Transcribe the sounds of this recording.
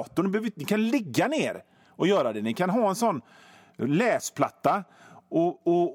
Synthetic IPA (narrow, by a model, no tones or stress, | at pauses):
t̪ʊɳbøvnɪkʰanlɪɡːaneːɾ | ɔjœːɾad̪ɛnɪkʰanɦɑːɛnsɔnː | lɛːspʰla̰t̪ːa | ɔɔ